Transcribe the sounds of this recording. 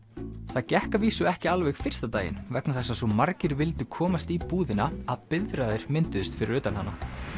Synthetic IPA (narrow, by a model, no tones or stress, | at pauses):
θaðcɛhkaviːsʏɛhcɪalvɛɣfɪr̥st̪at̪aːjɪ̰nvɛknaθɛsːasɔmaɾcɪɾvɪlt̪ʏkʰɔːmast̪ipuːðɪnaaðpɪðɾaðɪɾ̥mɪnt̪ʏðʏst̪fɪɾɪɾʏːt̪anhanːa